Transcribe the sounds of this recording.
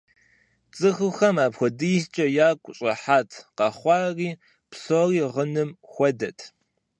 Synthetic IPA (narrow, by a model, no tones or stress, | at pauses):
t͡sʼɨxɨxɐmaːpxʷɔdɨjst͡ʃʼɐjaːkʷʼʊɕʼɐ̰ħaːtʰqɑχʷɑːriː | psoriːʁənɨmxʷɔdɐtʰ